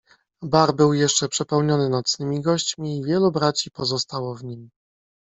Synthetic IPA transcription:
baɾbɘwjɛʂt͡ʂɛpʂɛpɛwɲɔnɘnɔt̪snɘmʲiɡɔɕt͡ɕmʲiːvʲjɛlubɾat͡ɕipɔzɔst̪awɔvɲim

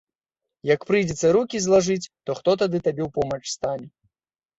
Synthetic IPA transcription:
jɐkpɾɨjd͡zʲɛt̪sɐɾukʲizlˠaʐɨt͡sʲt̪ɔxt̪ɔt̪ad̪ɨt̪abʲɛwpɔmɐt͡ʂst̪alʲi

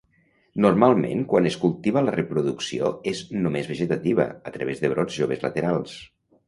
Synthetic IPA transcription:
nurmalˠmḛ̃ŋkwanəskulˠt̪iβələrəpɾuðuksioeznomezβəʒet̪at̪iβə̰ət̪ɾəβ̞ezðəβɾɔd͡zʒoβ̞ezlə̰t̪eɾalˠs

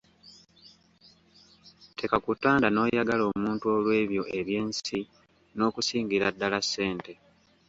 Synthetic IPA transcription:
tʰe̞kakutːaːndano̞ːjaɡalo̞ːmuːntuo̞lwe̞ːβjo̞ʔe̞βje̞ːnsi | no̞ːkusiːŋɡiɾadːalasːe̞ːnte̞

